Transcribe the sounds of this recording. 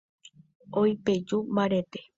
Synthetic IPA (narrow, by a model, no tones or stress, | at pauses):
ojped͡ʒumbaɾet̪e